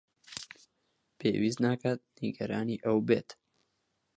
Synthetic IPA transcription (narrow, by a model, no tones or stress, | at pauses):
pʰḛːwiznaːkat̪̚niɡɐɾaːniːʔɐwbḛːt̪